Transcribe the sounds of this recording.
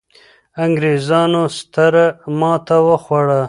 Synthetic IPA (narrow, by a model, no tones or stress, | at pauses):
aŋɡɾezɑːnost̪əɾmɑːt̪ʰawəxwaɽa